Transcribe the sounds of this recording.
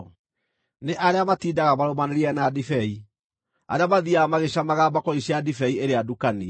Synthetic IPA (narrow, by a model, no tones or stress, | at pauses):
neʔaɾeamatiːdaɣamaɾomaneɾiɛnadifɛi | a̰ɾeamaðiamaɣeɕamaɣabakɔiɕiadifɛieɾeadukani